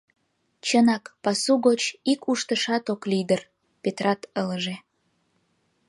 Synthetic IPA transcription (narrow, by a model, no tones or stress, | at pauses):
t͡ɕənɑkpɑsuɣot͡ɕikuʃt̪əʃɑt̪oklid̪ər | pet̪rɑt̪ələʒe